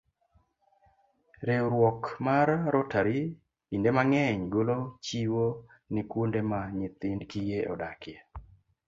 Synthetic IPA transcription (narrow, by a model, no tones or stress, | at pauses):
ɾewɾwɔkmaɾːotaɾɪː | ndemaŋɛɲɡolot͡ʃiwo | nikwondemaɲɪt̪ɪndkijeʔɔ̰dakjɛ